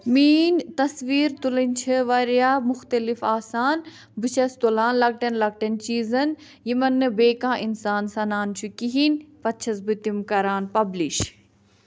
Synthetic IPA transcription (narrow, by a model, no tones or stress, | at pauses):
miːnt̪ɐsʋiːɾt̪ulɐnʲt͡ʃʰɐʋɐɾjaːmʊxt̪ɐlifaːsaːn | bɨt͡ʃʰɐst̪olaːnlɐk̚ʈɐnlɐk̚ʈɐnt͡ʃiːzɐn | jimɐnːɨbeːkãːʔinsaːnsɐnaːnt͡ʃʰukiɦinpɐt̪t͡ʃʰɐs̬bɨt̪imkɐɾaːnpɐbliʃ